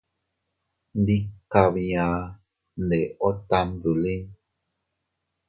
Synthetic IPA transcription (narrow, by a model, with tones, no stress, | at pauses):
ndi˦ka˨βjã˨ | ne˨o˦t̪a˧mðu˨li˦n